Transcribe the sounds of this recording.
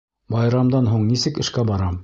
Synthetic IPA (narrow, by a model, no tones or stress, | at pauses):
bɑjɾɑmd̪ɑnɦuɴnisɘkɘ̆ʃkæbɑɾɑm